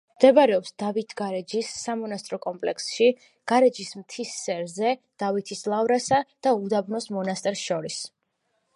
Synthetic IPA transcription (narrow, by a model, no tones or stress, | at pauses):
md̪ɛbaɾɛɔpsd̪̥avit̪ʰɡaɾɛd͡ʒisːamɔnast̪ʼɾɔkʼɔmpʼlɛ̰ksʃi | ɡ̥aɾɛd͡ʒismt̪ʰisːɛɾzɛd̪̥avit̪ʰislˠavɾasad̪̥aud̪abnɔsmɔnast̪ʼɛɾsʃɔɾis